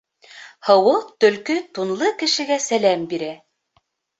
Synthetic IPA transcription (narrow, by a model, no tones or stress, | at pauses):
hɤ̆wɤq̚t̪ɵ̆lkɵt̪unlˠɤkɘ̆ʃɘ̆ɡæsælæmbiɾæ